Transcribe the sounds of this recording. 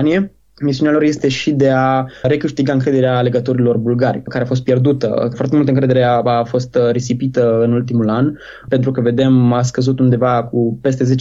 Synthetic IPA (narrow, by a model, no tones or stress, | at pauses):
nie̞ | mis̬iunealo̞ɾje̞st̪e̞ʃid̪e̞aɾe̞kɨʃt̪iɡaɨŋkɾe̞d̪e̞ɾeale̞ɡət̪o̞ɾilo̞rbulɡaɾʲrʲkaɾeafo̞s̬t̪pje̞rd̪ut̪ə̰foart̪e̞mult̪əɨŋkɾe̞d̪eɾeaafo̞st̪ɾesipit̪əɨnult̪̬imulan | pent̪ɾukəve̞d̪e̞mas̬kəzut̪und̪e̞vakupe̞st̪e̞ze̞t͡ʃ